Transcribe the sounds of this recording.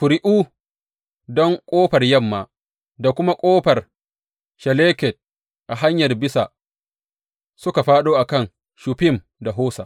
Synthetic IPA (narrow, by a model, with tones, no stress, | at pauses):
ɸʊ˨ɾɪ˦ʔuː˦ | dɔ˦ŋkʷʼoː˦ɸɐ˨rjɐ˦˨mːaː˨ | da˨kʷʊ˦ma˦kʷʼoː˦ɸɐ˨r | ʃɛ˨leː˦kɛ˨t̚ | ʔa˨ɦa˦ɲjɐ˨rbɪ˦sa˨ | sʊ˦ka˨ɸaː˦ɗoː˦ʔa˨kɐ˦˨ŋ | ʃu˨pɪ˦˨m | da˨ɦoː˦sa̰ː˨ʔ